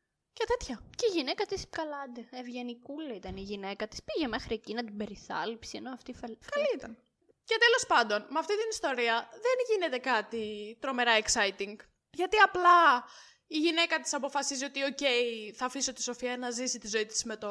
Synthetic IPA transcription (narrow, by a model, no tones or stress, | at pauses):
cet̪et̪çɐceiʝine̞kɐt̪isi̥pkɐlɐnd̪eevʝenikulɐit̪ɐniʝine̞kɐt̪i̥spiʝe̞me̞xɾiecinɐt̪ibe̞ɾiθɐ̰lipsie̞noɐft̪ifelkɐliit̪ɐn | ce̞t̪e̞lo̞spɐnd̪o̞nmɐft̪it̪inist̪o̞ɾiɐðenʝine̞t̪e̞kɐt̪it̪ɾo̞me̞ɾɐeksɐjt̪iŋɡ | ʝɐt̪iɐplɐ | iʝine̞kɐt̪i̥sɐpo̞fɐsizio̞t̪io̞ce̞iθɐfisot̪i̥so̞fiɐnɐzisit̪izo̞it̪i̥sme̞t̪o